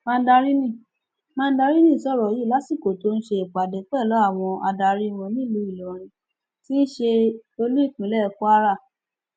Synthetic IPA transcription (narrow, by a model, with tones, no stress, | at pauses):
mã˧n̩˦da˧ɾi˦nĩ˦˨ | mãː˦˧n̩˦da˧ɾi˦nĩ˦˨sɔ˦˨ɾɔ˨ji˦˨la˨˦si˦˨ko˨to˦n̩˦ʃe˧e˨k͡pa˨dɛ˨˦k͡pɛ˦˨lɔ˨˦a˦˨w̃ɔ̃˧a˧da˧ɾi˦˧wɔ̃˧nĩ˦lo˨˦i˦˨lɔ˨ɾ̃ĩ˧ | ti˦n̩˦ʃe˧o˧lu˦i˦˨k͡pĩ˨˦lɛ˦˨ku˦a˦ɾa˦˨